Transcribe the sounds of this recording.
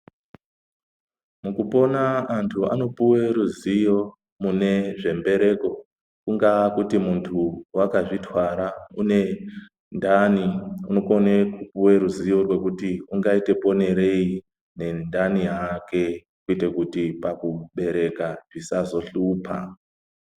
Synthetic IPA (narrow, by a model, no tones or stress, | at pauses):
mukupo̞naːntʰua̰no̞puwe̞ɾuzijo̞ | mune̞ʐe̞mbe̞ɾe̞ko̞ | kuŋɡakutimuntʰuwakaʐitwaɾaune̞ | ndaniuno̞konekupuweɾuzijo̞rwe̞kutiuŋɡaite̞po̞ne̞ɾe̞i | ne̞ndanijake̞ | kuite̞kutipakuɓe̞ɾe̞kaʐisazo̞ɬuːpʰa̰